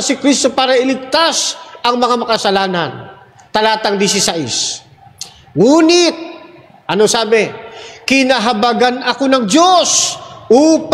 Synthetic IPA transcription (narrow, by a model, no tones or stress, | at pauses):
ɐsɪkɾist̪o̞paːɾɐɪlɪk̚t̪asʔɐŋmɐŋamɐkɐsɐlaːnɐ̰n | t̪ɐlaːt̪ɐŋd̪ɪsisaʔɪ̰s | ŋuːnɪt̪̚ | ʔɐno̞saːbɛkɪnaɦɐbaɡanɐko̞nɐŋd̪o̞sʔuːp